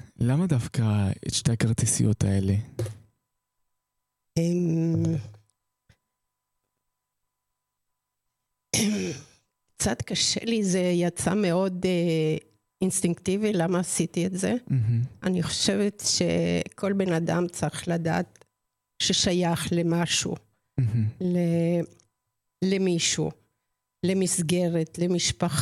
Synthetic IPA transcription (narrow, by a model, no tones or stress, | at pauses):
lamad̪afkaḛʃteakaʁt̪isḭjo̰t̪aele | em | kt͡sat̪kaʃḛlizejat͡sa̰me̞o̞d | inst̪iŋkt̪ivilamaːsit̪ietzeaniχo̥ʃe̞vetʃḛkʰo̞lbe̞nada̰mt͡saʁiχlada̰ːt̪ | ʃeʃajaχlemaʃṵ | le | lemiʃṵ | lemisɡeʁet̪lemiʃpaχ